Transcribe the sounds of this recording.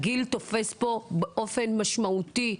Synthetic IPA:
ɡilt̪o̞fe̞spo̞beʔo̞fe̞nmaʃmaut̪i

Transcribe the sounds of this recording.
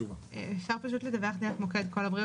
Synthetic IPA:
ʃaʁpaʃut̪led̪aveχd̪eʁeχmoked̪kolabʁi

